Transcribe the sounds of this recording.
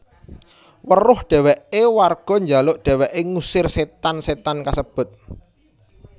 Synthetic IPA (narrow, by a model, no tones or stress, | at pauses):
wərʊhɖ̥ɛ̤wɛʔewarɡ̥ɔ̤ɲd͡ʒalʊʔɖ̪̥ɛ̤wɛʔeŋusɪrset̪anset̪ankasəb̥ʊ̤t̪̚